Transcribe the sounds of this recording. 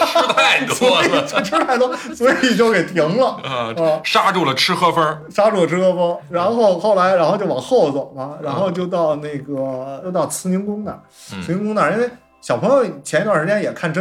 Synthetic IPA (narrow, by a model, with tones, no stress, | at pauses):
sɔ˧˥i˨˩˧t͡swe˥˩ʈ͡ʂʰu˥la˧˥ɪt̪ə˥swɔ˧˥˨i˨˩t͡ɕjo˥˩ʊke˨˩ɪt̪ʰi˧˥ŋlə˧a˥˧ʂa˥ʈ͡ʂu˥˩lə˩ʈ͡ʂʰɻ̩˥xɤ˥fə˥ | ʂa˥ʈ͡ʂu˥˩ə˩ʈ͡ʂʰɻ̩˥xɤ˥fə˥ɻa˧˥nxo˥˧ʊxo˥˩ʊla˧˥ɪɻa˧˥nxʊt͡ɕjo˥˩ʊ˩ɑ̰˨˩ŋxo˥˩ʊt͡sə˨˩mɐ˧ɻa˧˥nxo˥˧ʊt͡ɕjo˥˧ʊt̪ɑ˥˧ʊna˥˩ɪɡə˩t͡ɕjo˥˧ʊt̪ɑ˥˩ʊt͡sʰɹ̩˧˥ni˧˥ŋkʊ˥ŋna̰˨˩˦ | i˧˥ŋkʊ˥ŋna˨˩i˥n˥e˥˧ | ɕjɑ˨˩ʊpʰɤ˧˥ŋjo˧ʊ˩t͡ɕʰɛ˧˥i˥t̪wa˨˩ʂt͡ɕjɛ˥njɛ˨˩kʰa˥˩nʈ͡ʂə˥